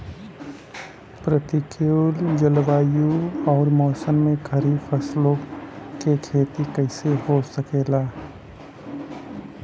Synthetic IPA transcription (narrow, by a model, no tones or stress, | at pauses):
pɾət̪ɪkʰeld͡ʒəlʋaːjuɔːɾmɔːsənmẽkʰɐɾifʰəslõkekʰeːt̪ikɐɪsehosəkeːlaː